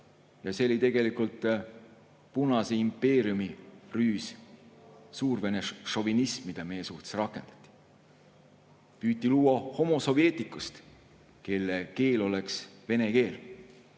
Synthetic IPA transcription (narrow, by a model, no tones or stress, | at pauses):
jɑse̞lit̪e̞ɡe̞likult̪ˑ | punɑseimpːe̞ːɾijumiryːs | suːrve̞neʃo̞vinismid̪̥ɑmejesuht̪esrɑkːˑe̞nd̪ɑ̥t̪ʲːˑi̥ | pyːt̪ʲːˑiluːwɑho̞mo̞so̞vie̞ːt̪ˑikːˑust̪ | ke̞lːeke̞ːlo̞le̞ksve̞ne̞ke̞ːl